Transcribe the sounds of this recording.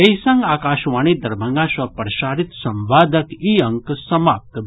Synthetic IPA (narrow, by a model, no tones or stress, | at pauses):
ɐjsɐ̃ŋɡaːkaːʃʋaːɳ̃iːd̪ɐɾbʱɐŋɡaːʃʋɐpɾɐʃaːɾit̪sɐmʋaːd̪ʱɐkiɐŋksɐmaːp̚t̪